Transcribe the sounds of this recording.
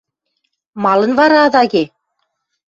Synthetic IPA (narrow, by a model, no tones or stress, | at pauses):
mɑlˠɤ̆nvɑɾɑːðɑɣe